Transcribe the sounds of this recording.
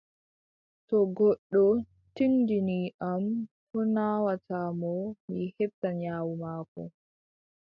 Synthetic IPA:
tɔɡɔɗːɔ | tindiniʔam | hɔnaːwatʰamɔmihɛb̚tːaɲaːwumaːkɔ̰

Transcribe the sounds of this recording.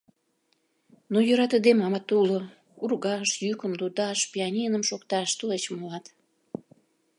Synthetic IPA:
nojøɾɑt̪əd̪emɑmɑt̪ːulo | urɣɑʃjykəmlut̪ɑʃpʲiɑnʲinəmʃokt̪ɑʃt̪ulet͡ɕmuɑt̪

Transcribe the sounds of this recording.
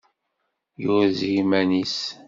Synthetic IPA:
jʊɾzimænis

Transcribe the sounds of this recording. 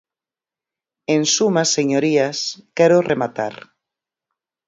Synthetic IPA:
ensumasːeɲoɾiaskɛɾoremat̪a̰ɾ

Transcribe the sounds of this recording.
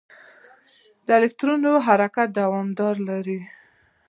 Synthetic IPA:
d̪əɪlɪk̚t̪ɾunoɦaɾakat̪̚d̪awɑmd̪ɑɾlaɾi

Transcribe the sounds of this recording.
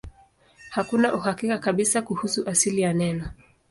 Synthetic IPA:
hakunaʔuhakikakaɓisakuhusuʔasilijanɛnɔ

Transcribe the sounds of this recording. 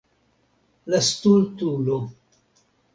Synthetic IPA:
last̪ult̪ulo

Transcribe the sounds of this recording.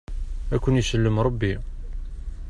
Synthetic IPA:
ækʷːunjisəlːəmɾˤɑbːi

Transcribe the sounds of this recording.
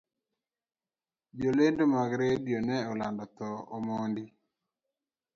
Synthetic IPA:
d͡ʒolendomaɡɾedijonɛɔlandɔt̪ɔɔmɔndi

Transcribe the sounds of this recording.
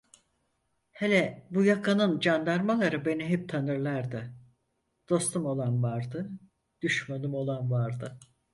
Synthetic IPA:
helʲɛbujakʰanɯnd͡ʒand̪aɾmalˠaɾɯbe̞niɦɛp̚t̪ʰanɯɾlˠaɾd̪ɯ | d̪̥o̞st̪ʰumo̞lˠanvaɾd̪ɯ | d̪̥yʃmanɯmo̞lˠanvaɾd̪ɯ

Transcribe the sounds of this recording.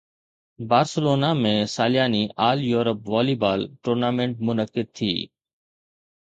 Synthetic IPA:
baːɾsəloːnaːmẽːsaːlɪjaːniːʔaːljuːɾəpʋaːliːbaːlʈuːɾnaːmẽɳʈ̚mʊnəkɪd̪̚t̪ʰḭː

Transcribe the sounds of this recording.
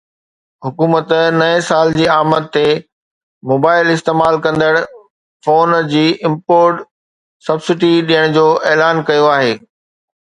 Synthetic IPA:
ɦʊkuːmət̪nɐẽsaːld͡ʑiːaːmət̪ːe | moːbaːɪlɪst̪eːmaːlkɐ̃nd̪əɽ | foːnd͡ʑiːʔɪ̃mpoːɾʈ | sɐbsɪʈiɗijəɽ̃d͡ʑoːʔeːlaːnkɐjoaːɦeː

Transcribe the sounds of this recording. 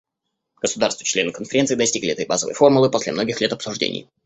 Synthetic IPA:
ɡ̥əsʊd̪arst̪vət͡ɕlʲe̞nɨkənfʲɪɾʲent̪sɨiːd̪ɐsʲtʲiɡlʲɪɛt̪əjba̰zəvə̰jfo̞rmʊlˠɨpo̞sʲlʲɪ̰mno̞ɡʲɪxlʲe̞t̪ɐpsʊʐdʲḛnʲɪ̰j

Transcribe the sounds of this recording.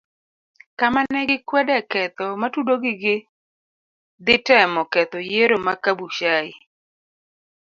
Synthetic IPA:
kamanɛɡɪkwɛdɛkɛt̪ɔmatudoɡɪɡɪ | d̪ɪtɛmɔkɛt̪ɔjeɾomakabuʃaɪ

